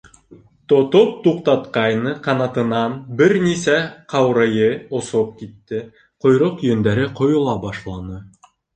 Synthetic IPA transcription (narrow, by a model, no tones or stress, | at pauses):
t̪ŏt̪op̚t̪uqt̪ɑt̪qɑjnɤqɑnɑt̪ɤ̆nɑnbɘɾnisæqʰɑwɾɤjɤŏsop̚kit̪ːɘ | qŏjɾoqjɵ̆nd̪æɾɘqŏjŏlˠɑbɑʃlˠɑnɤ